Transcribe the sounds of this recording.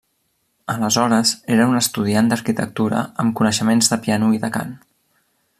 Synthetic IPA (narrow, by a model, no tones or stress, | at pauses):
ələzɔɾəzeɾəunəst̪uð̞iand̪əɾkit̪ə̰k̚t̪uɾə̰əmkunəʃəmenzðəpianuiðəka̰n